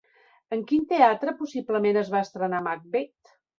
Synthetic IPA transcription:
əŋkint̪eat̪ɾəpusibləmenəzβaəst̪ɾənamak̚bet̪

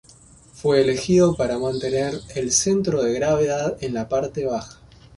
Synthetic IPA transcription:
fweːle̞xiðo̞paɾamãnt̪e̞neɾelse̞nt̪ɾo̞ðe̞ɣɾaβeðaðenlapaɾt̪e̞β̞axḁ

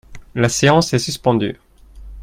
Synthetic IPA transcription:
laseɑ̃sɛsyspɑ̃d̪y̰

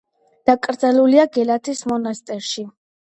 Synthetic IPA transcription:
d̪̥akʼɾd̪zaluliaɡɛlat̪ʰismɔnast̪ʼɛɾʃi

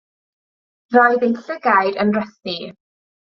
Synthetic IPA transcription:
rɔɨðejɬəɡajdənrəθi

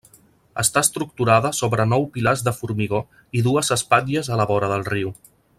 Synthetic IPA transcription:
ə̰st̪aəst̪ɾuk̚t̪uɾaðəsoβɾənɔwpilazðəfuɾmiɣ̞o | iðuəzəspad̪əzələβɔɾəðəlˠriw

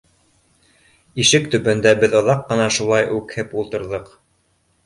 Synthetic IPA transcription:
iʃɘkt̪ɵ̆bɘ̆nd̪æbɘðŏðɑqːɤ̆nɑʃulˠɑjʔʉkhɘpulˠt̪ɤ̆ɾðɤq

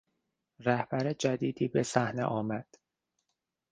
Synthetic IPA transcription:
ræhb̥æɾed͡ʒæd̪iːd̪iːbe̞sæhnḛʔɒːmæd̪̥

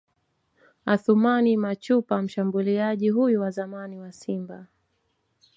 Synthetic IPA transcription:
aθumanimat͡ʃupam̩ʃambuliaʄiɦujuwazamaniwasimba

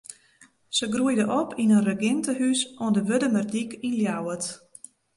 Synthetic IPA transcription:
səɡrujdəʔɔpʰinənrəɡɪntəhysɔndəʋødəmərdikinljawət

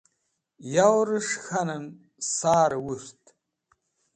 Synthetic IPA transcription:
jawɾɨʂxɐnɨm | saːɾɨwʊrtʰʼ

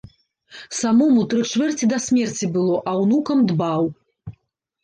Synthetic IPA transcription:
samɔmut̪ɾɨt͡ʂvʲɛrt͡sʲid̪ɐsʲmʲɛrt͡sʲibɨlˠɔʔɐwnukɐmd̪baw

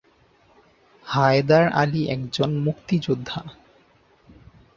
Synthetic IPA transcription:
haed̪aɾa̰liʔɛkd͡ʑonmukt̪id͡ʑod̪ʱːa

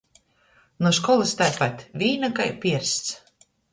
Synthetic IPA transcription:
nɔʃkɔlˠɨst̪ajpat̪ʲvʲiːnakajpʲiɛɾst̪s

